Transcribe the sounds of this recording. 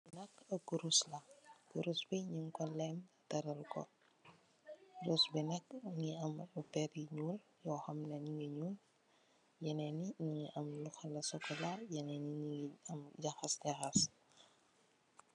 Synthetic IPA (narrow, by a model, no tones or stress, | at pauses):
nɐkːɐkːuɾuslɐkuɾusbiɲiŋkɔlɛm | tɐɾɐlkɔ̰ | ɾusbɛnɐk̚ŋiɐməpɛɾiɲuːljɔːxɐmnɐɲiŋɡəɲuːl | jɐnɛniɲiŋiʔɐmluxɐlɐsɔkɔlajɛnɛniɲiŋiɐmɟɐxɐsdɛxɐs